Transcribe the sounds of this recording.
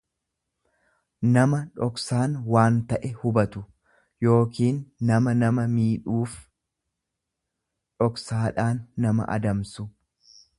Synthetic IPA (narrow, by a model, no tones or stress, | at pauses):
nɐmɐᶑɔksaːnwaːnt̪ɐʔɛhʊbɐt̪ʊ | jo̞ːkiːnːɐmɐnɐmɐmiːᶑuːf | ᶑɔksaːᶑaːnːɐmɐ̰ʔɐ̰d̪ɐmsʊ